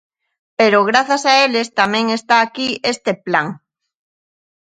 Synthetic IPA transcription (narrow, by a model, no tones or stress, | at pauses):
peɾoɣ̞ɾaθasaelest̪amẽŋest̪aːkiest̪eplaŋ